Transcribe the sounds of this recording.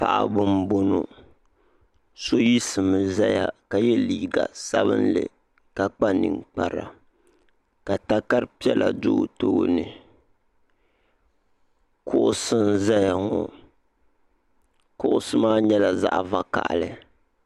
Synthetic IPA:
pa̰˨ʔa̰˨bʊ˦mbo˦no˨ | so˦ji˦sɨ˨mɨ˨za˦ja˨ka˨jɛ˦liː˦˨ɡa˨sa˦bɨ̰˦nlɨ̰˨ | ka˨k͡pa˦nɨ̰˨ŋk͡pa˨ɾa̰˨ | ka˨ta˦ka˦ɾpi˦ɛ˦la̰˨dʊ˦˨to˦nɨ˨ | kʰʊ˦ʔʊ˦sɨ˦nza˦ja˨ŋɔ˨ | kʊ˦ʔʊ˦sɨ˦maː˦ɲɛ˦la˨za̰˦ʔva˦ka̰˨ʔlɨ˨

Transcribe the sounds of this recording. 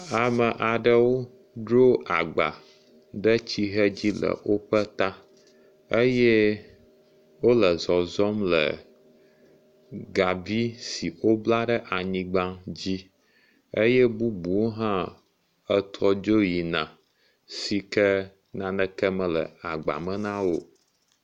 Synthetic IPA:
a˨mə˨ʔa˨ɖə˨wo˦ | ɖɾo˦a˨ɡ͡ba̰˨ | ɖə˦t͡ɕi˦ɦə˦d͡ʑi˦lə̰˨wo˦ɸə˦t̪a˦ | ə˦jɛ˦ | wo˦lə˨zɔ˨zɔ˦mlə̰˨ | ɡa˨vi˦si˨o˦bla˦ɖə˦ʔa˨ɲĩ˦ɡ͡bã˦d͡ʑi˦ | ə˦jɛ˦bu˦bu˨wo˦ɦã˦ | ə˦t̪ʰɔ˦d͡ʒo˦ji˨nã˨ | si˨kə˦ | nã˨nə̃˦kə˦mə̃˨lə̰˨a˨ɡ͡ba̰˨mə̃˦nã˦wo˦

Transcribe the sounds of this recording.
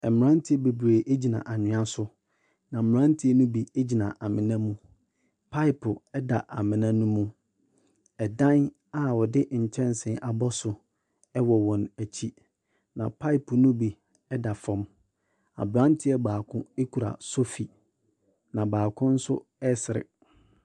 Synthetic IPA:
ɛ˨m˨ɾã˦n˦tʰɪ˦ɛ˦be˨bɾeː˨ʔe˦d͡ʑi˨nã̰˨ʔa˨ɲɪ̃˨ã˦sʊ˦ | nã˨m̩˨m˨ɾã˦n˦tʰi˦e˦nũ˦bi˨e˦d͡ʑi˨nã˨ʔa˨mɪ̃˨nã˦mũ˦ | pʰa˦ɪ˨˦pʰʊ˨ɛ˦da˨ʔa̰˨mɪ̃˨nã˦nũ˦mũ˦ | ɛ˨dã˦n | a˨wɔ˨dɪ˦ɲ̩˨t͡ɕʰɛ̃˦n˨sɪ̃˨˦ʔa˨bɔ˦sʊ˨ | ɛ˦wɔ˨wɔ̃˨næ˨t͡ɕʰi˦ | nã˨pʰa˦ɪ˦˨pʊ˨nũ˦bi˨ | ɛ˦da˨fɔ̃˦m | a̰˨bɾã˦n˦tʰɪ˦ɛ˨baː˨kʰʊ̃˦e˦kʰu˨ɾa̰˨so˦fi˨ | nã˨baː˨kʰʊ̃˦n̩˦sʊ˦ɛ˦sɪ˨ɾɪ̰˨

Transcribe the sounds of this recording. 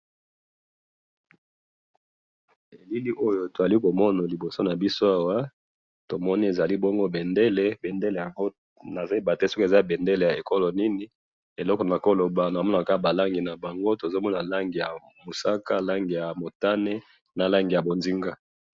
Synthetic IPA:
e˨li˦li˦ʔo˦jo˦to˨za˨li˦ko˨mɔ˦na˨li˨bo˨so˦na˨bi˦so˦a˦wa˦ | to˨mɔ˦ni˦e˨za˨li˦bɔ˦ŋɡo˦be˨nde˦le˦be˨nde˦le˨ja˨ŋɡo˦ | na˨za˦i˦˨ba˨te˦so˦ke˨za˦bɛ˨nde˦le˨ja˨e˨ko˦lo˨ni˦ni˦ | e˨lɔ˦kɔ˨n˨a˨ko˦lo˨ba˨na˨mɔ˦na˨ka˦˨ba˨la˦ŋɡi˨na˨ba˨ŋɡo˦to˨zo˦mɔ˦na˨la˦ŋɡi˨ja˨ | mo˨sa˦ka˦la˦ŋɡi˨ja˨mo˨ta˦ne˦ | na˨la˦ŋɡi˨ja˨bo˨nzi˦ŋɡa˦

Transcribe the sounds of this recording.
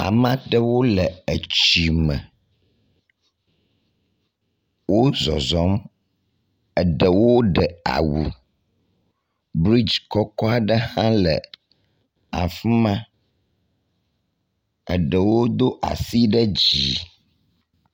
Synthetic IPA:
a̰˨mã˦ɖə˦wo˦lə˨ə˨t͡ɕi˨mə̰˨ | wo˦zɔ˨zɔ˦m | ə˨ɖə˨wo˦ɖə˨a̰˨wṵ˨ | bɾi˦d͡ʒkɔ˦kɔ˦a˨ɖə˦hã˦lə̰˨ | a̰˨fu˦mã˦ | ə̰˨ɖə˨wo˦d̪o˦ʔa̰˨si˦ɖə˦d͡ʑi˨

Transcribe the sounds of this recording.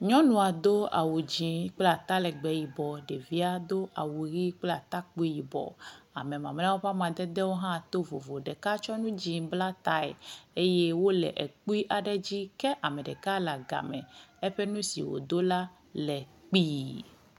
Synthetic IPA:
ɲɔ̃˦nũ˨a˨d̪o˦a̰˨wu˨d͡ʑi˨k͡pla˨t̪a˦lɛ˨ɡ͡bɛ˨ji˨bɔ˨ɖe˨vi˦a˨d̪o˦ʔa˨wu˨ɾi˦k͡pla˨t̪a˦k͡pu˦i˦ji˨bɔ̰˨a̰˨mɛ̃˨mã̰˨m˦a˦wo˦ɸa˦mã˨d̪ɛ˦d̪ɛ˦wo˦ɦã˦t̪o˦vo̰˨vo˨ɖɛ˨ka˦t͡ʃɔ˦nũ˦d͡ʑi˨bla˦t̪a˦ḛ˨e˦je˦wo˦lɛ̰˨ʔɛ˨k͡pu˦i˦ʔa˨ɖɛ˦d͡ʑi˦kɛ˦ʔa˨mɛ˨ɖɛ˨ka˦la˨ɡa̰˨mɛ̰̃˨e˦ɸɛ˦nũ˦sḭ˨wo̰˨d̪o˦la˦ | lɛ˨k͡pi˦

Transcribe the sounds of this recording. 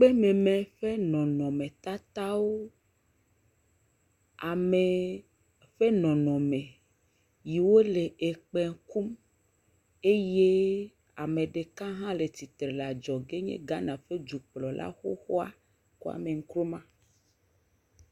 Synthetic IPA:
k͡pe˦mẽ˨mẽ˨ɸe˦nɔ̃˨nɔ̃˨mẽ˨t̪a˦t̪a˦wo˦ | a˨me˨ | ɸe˦nɔ̃˨nɔ̃˨mẽ˨ | ji˨wo˦le˨ʔe˨k͡pɛ˨ŋ˦ku˦m | e˦je˦ | a˨mẽ˨ɖe˨kã˦ɦã˦le˨t̪i˨t̪ɾe˨la˨d͡ʒɔ˨ɡe˦ɲḛ̃˦ɡa˦nã˨ɸe˦d͡ʒu˨k͡plɔ˨lʔa̰˦xo̰˦xo˦a̰˦ | ku˦a̰˨me˨ŋ̩˦kɾo˦mã˦

